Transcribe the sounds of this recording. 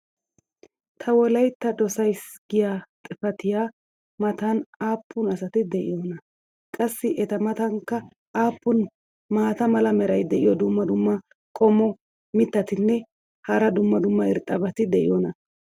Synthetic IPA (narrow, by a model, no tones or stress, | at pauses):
t̪ʰɐwɔlɐjt̪ːɐd̪ɔsɐjsɡɪjaːt̪ʼɪfɐt̪ɪjaː | mɐt̪ɐnaːpːʊnɐsɐt̪ɪd̪ɛʔɪ̰joːnɐ | kʼɐsːɪʔɛt̪ɐmɐt̪ɐŋkːɐ | ʔaːpːʊn | maːt̪ɐmɐlɐmɛɾɐjd̪ɛʔɪjɔd̪ʊmːɐd̪ʊmːɐ | kʼɔmɔ | mɪt̪ːɐt̪ɪnːɛ | hɐɾɐd̪ʊmːɐd̪ʊmːɐɪɾt̪ʼːɐbɐt̪ɪd̪ɛʔɪ̰jɔnɐ